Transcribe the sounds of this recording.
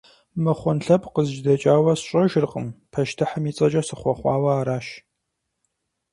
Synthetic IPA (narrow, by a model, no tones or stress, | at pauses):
mɨχʷʊnɬɐpqəzʒdɐt͡ʃʼaːwɐsɕʼɐʒrqʼə̰mpʰɐʃtʰɨħəmiːt͡sʼɐt͡ʃʼɐsɨχʷɔχʷɑ̰ːwɐaːɾaːʃ